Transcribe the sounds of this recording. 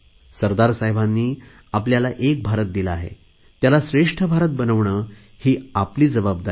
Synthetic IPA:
səɾd̪aɾsaɦjbʱanːiː | apljalaʔek̚bʱaɾət̪̚d̪ilaaɦḛ | t̪jalasɾeʂʈʰəbʱaɾət̪̚bənəʋɳəː | hiːapliːd͡zəbabd̪a

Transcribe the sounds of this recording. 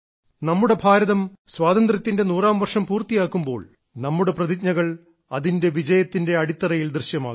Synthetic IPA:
nɐmːuɽe̞bʱaːɾɐðɐmswaːðɐnd̪rɐt̪ːinde̞nuːraːmʋɐrʂɐmpuːrt̪ijaːkːumbo̞̰ːɭ | nɐmːuɽe̞prɐðikɲɐɣɐɭ | ɐðinde̞ʋid͡ʑɐjɐt̪ːinde̞ɐɽit̪ːɐrɐjild̪rɨɕjɐma̰ː

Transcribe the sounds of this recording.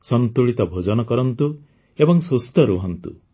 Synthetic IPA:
sɔnt̪uɭit̪ɔbʱod͡ʒɔnɔkɔɾɔnt̪u | ebɔŋsust̪ɔɾuɦɔnt̪ṵ

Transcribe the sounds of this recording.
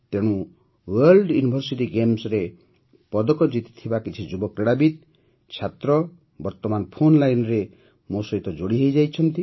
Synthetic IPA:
t̪eɽ̃ũ | weɾlɖjunibʱɔɾsiʈiɡemsɾe | pɔd̪ɔkɔd͡ʒit̪i̥t̪ʰibakit͡ʃʰid͡ʒubɔkɾeɽabid̪̚ | t͡ʃʰat̪ɾɔ | bɔɾt̪ɔmanpʰonlajnɔɾe | mũsɔɦit̪ɔd͡ʒoɽiɦejd͡ʒajt͡ʃʰɔnt̪i

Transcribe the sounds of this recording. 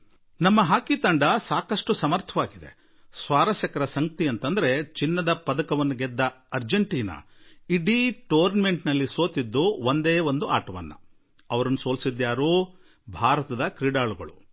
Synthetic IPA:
nɐmːɐɦaːkit̪ɐɳɖɐsaːkɐsʂʈusɐmɐɾt̪ʰɐʋaːɡid̪e̞̰ | sʋaːɾɐsjɐkɐɾɐsɐŋɡɐt̪iɐnt̪ɐnd̪ɐɾe̞t͡ʃinːɐd̪ɐpɐd̪ɐkɐʋɐnːuɡɛd̪ːɐɐɾd͡ʒeɳʈiːnɐ̰ | iɖiʈoːɾnɐme̞ɳʈnɐlːiso̞ːt̪id̪ːuond̪eːʋond̪uaːʈɐʋɐ̰nːṵ | ɐʋɐɾɐnːuso̞ːlsid̪ːjaːɾuː | bʱaːɾɐt̪ɐd̪ɐkɾiɖaːluɡɐ̰ɭṵ

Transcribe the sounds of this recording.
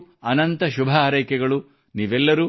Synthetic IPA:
ɐnɐnt̪ɐʃubʱɐɾɐjkɛɡɐɭu | niːʋɛlːɐɾuː

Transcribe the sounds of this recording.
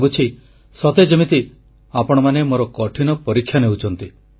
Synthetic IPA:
but͡ʃʰi | sɔt̪ed͡ʒimit̪i | apɔɽ̃ɔmanemoɾɔkɔʈʰinɔpɔɾikʰːjaneɦut͡ʃʰɔnt̪i

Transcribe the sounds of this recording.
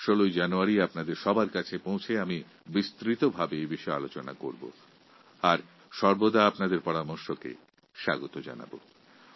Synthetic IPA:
ʃolojd͡ʑanuaɾiapnad̪eɾʃɔbaɾkat͡ɕʰepowt͡ɕʰeami | bist̪ɾit̪obʱabeebiʃɔja̰lot͡ɕona̰koɾbo̰ | aɾ | ʃɔɾbod̪aapnad̪eɾpɔɾamoɾʃokḛ | ʃa̰ɡot̪od͡ʑa̰na̰bo̰

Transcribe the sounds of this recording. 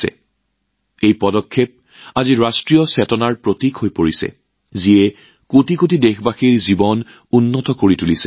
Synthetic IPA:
ɛ̰ | ejpɔdɔkʰːep̚ | aziɹastɹiɔsɛtɔnaɹpɹotikhojpoɹisɛ̰ | ziɛ | kotʰikotidexbaxiɹzibɔn | unːɔtɔkoɹitulisɛ

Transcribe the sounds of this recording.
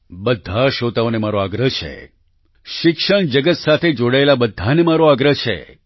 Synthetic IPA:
bəd̪ʱaʃot̪aonemaɾoaɡɾəɦt͡ʃʰḛ | ʃɪkʃəɳd͡ʒəɡət̪sat̪ʰed͡ʒoɽaelabəd̪ʱːanemaɾoaɡɾəɦt͡ʃʰḛ

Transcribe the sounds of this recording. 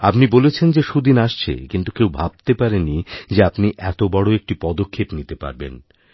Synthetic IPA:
apnibolet͡ɕʰend͡ʑeʃud̪inaʃt͡ɕʰḛkint̪ukewbʱab̚t̪epaɾenid͡ʑeapniʔɛt̪obɔɽoek̚ʈipɔd̪okʰːepnit̪epa̰ɾbḛn

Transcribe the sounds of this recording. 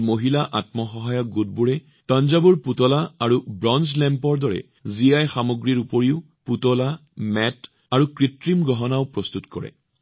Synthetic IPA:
moɦilaʔatmɔxɔɦajɔk̚ɡut̚buɹɛ | tanzabuɹputɔlaaɹubɹɔnzlɛmpɔɹdɔɹɛ̰ | zijajxamoɡɹiɹupoɹiʊ | putɔlamɛt | aɹukɹitɹimɡɔɦɔnaʊpɹɔst̪utkɔ̰ɹɛ̰

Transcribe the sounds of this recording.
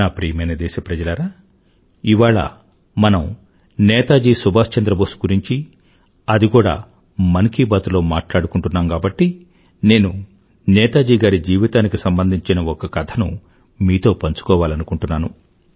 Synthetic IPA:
aːpɾiːmɐjnɐd̪ɛːʃɐpɾɐd͡ʒɐlɐɾaː | iʋaːɭɐ̰ | mɐnɐm | nɛːt̪aːd͡ʒiːsubʱaːst͡ʃɐnd̪ɾɐboːsu̥ɡuɾiɲt͡ʃi | ɐd̪ikuːɽa̰ː | mɐnkiːbɐt̪ulo̞ːmaːʈlaːɽukuɳʈunːaːmkaːbɐʈːi | ne̞ːnu | nɛːt̪aːd͡ʒiːɡaːɾid͡ʒiːʋit̪aːnikisɐmbɐnd̪ʱiɲt͡ʃinɐɔkɐkɐt̪ʰɐnṵ | miːt̪o̞ːpɐɲt͡ʃu̥kɔːʋaːlɐnukuɳʈunːaːnu

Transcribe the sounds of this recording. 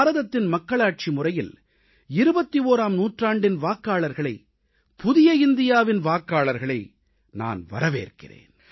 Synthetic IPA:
ɾɐðɐt̪ːɪnmɐkːɐɭaːʈ̚t͡ʃimʊrɐjɪl | ɪɾɯbɐt̪ːioːɾaːmnuːʈraːɳɖɪnʋaːkːaːɭɐɾɣɐɭɐɪ | pʊðɪjɐɪnd̪ɪjaːʋɪnʋaːkaːɭɐɾɣɐɭɐɪ | na̰ːnʋɐ̰ɾɐʋḛːrkɪ̰rḛːn

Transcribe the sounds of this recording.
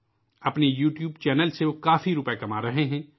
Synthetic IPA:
ɐpnejuːʈjuːbt͡ʃɛːnəlseʋokaːfiɾʊpɛkɐmaːɾɐɦeɦɛ̃ː

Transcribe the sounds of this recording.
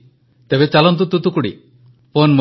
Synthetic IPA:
t̪ebet͡ʃalɔnt̪̬ut̪ut̪ukuɽḭ | ponmɔ

